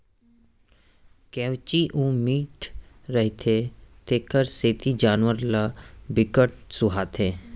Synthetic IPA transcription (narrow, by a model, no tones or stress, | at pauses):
kɛːʋt͡ʃiʔũːmiːʈɾəɦit̪ʰet̪eːkəɾseːt̪id͡ʒaːnʋəɾlabɪkəʈsʊɦaːt̪ʰeː